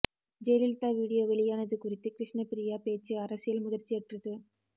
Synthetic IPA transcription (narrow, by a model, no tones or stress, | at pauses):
d͡ʒɛlɪlt̪aːʋiːɽɪjoːʋɛɭɪjaːnɐðɯkʊrɪt̪ːɯkɾɪʂɳɐpɪɾɪjaːpeːt͡ʃːɯɐɾɐsɪjɐlmʊðɐrt͡ʃiɛʈrɯt̪ːɯ